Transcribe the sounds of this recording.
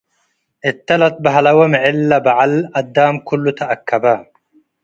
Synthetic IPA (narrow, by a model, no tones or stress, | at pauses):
ʔɪt̪ːɐlɐt̪̚baɦalawamʕɪlːabaʕalɐd̪ːaːmkʰʊlːʊt̪aʔakːɐba